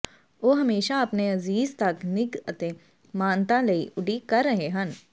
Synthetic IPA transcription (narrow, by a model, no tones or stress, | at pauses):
oːɦɐmeːʃaɐpneɐziːzt̪ɐknɪɡət̪e | maːnt̪ãlɐiʔʊɖikɐɾːɐɦeɦɐn